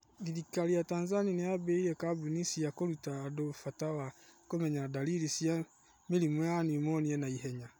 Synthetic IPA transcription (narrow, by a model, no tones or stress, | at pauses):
iðikalijatanzanineabeiɾɛkabunisiakoɾutaːdofatawakomɛɲadaliɾisia | melimwɔjanimɔniɛnaiɦɛɲa